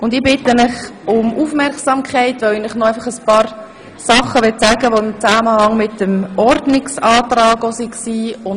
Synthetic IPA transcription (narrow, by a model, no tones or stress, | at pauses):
ʊndɪbɪtəmɪχʊmʔufmɛɾksɑmkʰχaɪtʋoɪnɪχnɔaɪfɑχəspɑːɾ | sɑχəʋɪtt͡saːɡəʋoɪmt͡saːməhɑŋmɪtəmɔɾdnɪksɑːtɾɑːɡosiksiːʊn